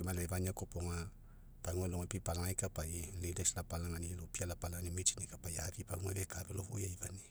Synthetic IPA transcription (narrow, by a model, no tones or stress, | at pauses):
imalevaniakopoŋa | paŋwɛloŋapipalaŋaikapaililesilapalaŋanilopialapalanimit͡ʃinikapajavipaŋwɛβɛkavɛlohujaivani